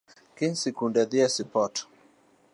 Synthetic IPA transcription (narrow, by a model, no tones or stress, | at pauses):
kɪnsikundɛðɪɛsipɔt